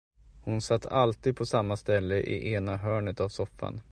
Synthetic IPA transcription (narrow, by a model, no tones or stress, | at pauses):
hʊnsat̪ːalt̪iːd̪̚pʰɔsamːast̪ɛlːəʔɪ̰ʔeːnaɦœːɳət̪avsɔfːa̰n